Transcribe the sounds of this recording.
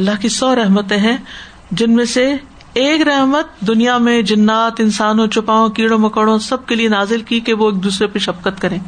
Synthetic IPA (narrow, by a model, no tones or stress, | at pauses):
ɐlːaɦkisɔːɾɛɦmət̪ẽɦɛ̃ | d͡ʒɪnmẽse | eːkɾɛɦmət̪̚d̪ʊnijamẽd͡ʒɐnːaːt̪ɪnsaːnõt͡ʃʊpaːõkiːɽõmɐkəɽõsɐb̚kelienaːzɪlkikeʋoeːk̚d̪uːsɾepeʃɐbkət̪kɐɾẽː